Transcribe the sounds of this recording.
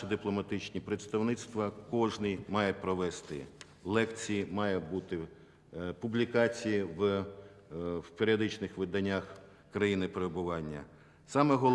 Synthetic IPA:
ɐd̪ɪplˠɔmɐt̪ɪt͡ʃnʲipɾet̪st̪ɐwnɪt̪st̪ʋɐkɔʒnɪjmɑjepɾɔʋɛst̪ɪ̰ | lˠɛkt͡sʲijimɑjɛbut̪ɪ | publʲikɑt͡sʲijiʋ | peɾʲiɔd̪ɪt͡ʃnɪxʋɪd̪ɐnʲːax | kɾɐjinɪpeɾebʊʋɑnʲːɐ̰ | sɑmɛɦɔl

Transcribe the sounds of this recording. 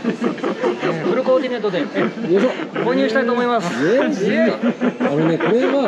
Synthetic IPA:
pɯ̟ɾɯ̟ko̞ːkʲine̞t̪ːod̪ejosokoːɲ̟ɨːɕi̥t̪ait̪oːmo̞imasje | ano̞ne̞ko̞ɾe̞ɡa

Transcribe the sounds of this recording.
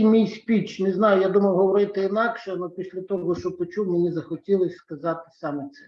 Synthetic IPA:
jmʲijsʲpʲit͡ʃneznɑjʊjad̪umɐwɦɔʋɔɾɪt̪ɪinɑkʃɛnɔpʲisʲlʲɐt̪ɔɦɔʃɔpɔt͡ʃuwmenʲizɐxɔtʲilˠɪsʲskɐzɑt̪ɪ̥sɑmɛt̪sɛ

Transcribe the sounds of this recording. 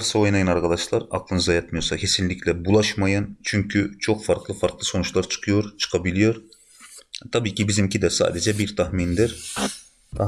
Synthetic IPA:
ɾsaojnajɯnaɾkʰad̪aʃlˠaɾa̰klˠɯnɯzajat̪mɯjoɾsacʲʰe̞sinlʲiclʲɛbulˠaʃmajɯnt͡ʃʰyɲcʰyt͡ʃʰo̞kfaɾklˠɯfaɾklˠɯso̞nut͡ʃlˠaɾt͡ʃʰɯ̥kʰɯjo̞ɾt͡ʃʰɯ̥kʰabilʲijo̞ɾ | t̪ʰabiːcʰibizimcʰid̪ɛsa̰ːd̪ɛd͡ʒɛbiɾt̪ʰahmind̪iɾ

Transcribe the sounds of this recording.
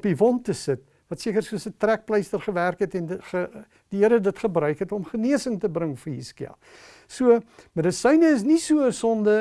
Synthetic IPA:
pivɔntəsət | vɐtsiəkərsuəsətræk̚pləjstərχəværkɦɛtɛnχə | diɦəɾədətχəbrœɥkɦɛtɔmχəniəsəŋtəbɾəŋfəɦiskiɐ̰ | suəmədəsəjnəəs̬nisuəəsɔndə

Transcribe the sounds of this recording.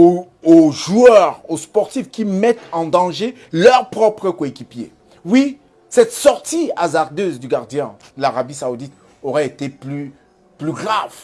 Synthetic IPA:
o | oʒuœʁospɔʁt̪ifkʲimɛt̪ɑ̃d̪ɑ̃ʒe | lœʁpχɔpχəkoekʲipjḛ | wi | sɛt̪sɔʁt̪iazaʁd̪øzd̪yɡaʁd̪jɛ̃d̪əlaʁabisaud̪it̪ | oʁɛet̪eply | plyɡʁav

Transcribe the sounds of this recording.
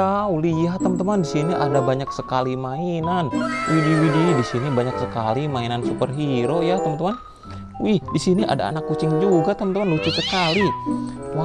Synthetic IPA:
auliaht̪əmənt̪əmandisiniʔadabaɲak̚səkalimainanwʔidiwididisinibaɲaksəkalimainansupərɦiɾojat̪əmənt̪əman | wihdisiniʔa̰da̰ːnakːut͡ʃɪŋd͡ʒuɡat̪əmənt̪əmanlut͡ʃʊsəkaliwa

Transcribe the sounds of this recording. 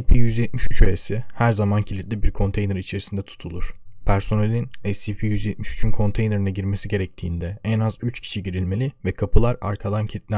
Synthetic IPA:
ipʰijyzjɛt̪̚miʃyt͡ʃøesihæɾzamancʰilʲit̪̚ʲlʲibiɾkʰo̞nt̪ʰe̞jneɾit͡ʃʰe̞ɾisind̪ɛt̪ʰu̥t̪ʰulˠuɾ̥pʰæɾso̞nelʲinɛsipʰijyzjɛt̪̚miʃy̥t͡ʃʰynkʰo̞nt̪ʰejneɾinaɟiɾme̞siɟe̞ɾɛc̚t̪ʰiːnd̪ɛɛnazyt͡ʃcʰi̥ʃiɟiɾilʲme̞lʲivɛkʰapʰɯlˠaɾa̰ɾkʰad̪ancʰilʲit̪̚lʲæ

